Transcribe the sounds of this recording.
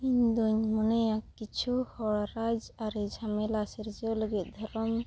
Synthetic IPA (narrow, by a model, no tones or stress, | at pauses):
iɲd̪uɲmɔnɛjakːit͡ʃʰuhɔɽɾad͡ʒaɾid͡ʒʱamelaseɾd͡ʒeɔlɔɡit̪̚d̪ʱɔɾɔm